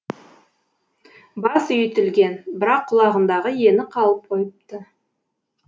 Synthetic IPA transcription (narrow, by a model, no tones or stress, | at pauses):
bɑsʏjt̪ɪlɡʲe̞nbɪɾɑqʰːʊlˠɑʁənd̪ɑʁəje̞nɪqʰɑlˠəp̚qʰo̞jəp̚t̪ə